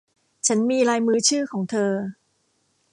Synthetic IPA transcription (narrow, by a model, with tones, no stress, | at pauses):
t͡ɕʰa˦˥nmiː˧ɾaː˧jmɯː˧˥t͡ɕʰɯː˥˩kʰɔː˩˦ŋt̪ʰɤː˧